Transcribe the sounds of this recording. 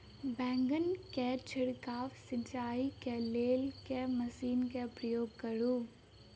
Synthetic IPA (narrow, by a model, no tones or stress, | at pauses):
bɛ̃ːŋɡənket͡ʃʰɪɽkaːʋsɪt͡ʃaːikeleːlkeməsiːnkepɾəjoːɡ̚kəɾuː